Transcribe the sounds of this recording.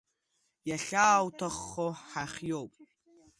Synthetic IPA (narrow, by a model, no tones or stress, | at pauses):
jaɬaːwtʰɐχːoħaχjowpʼ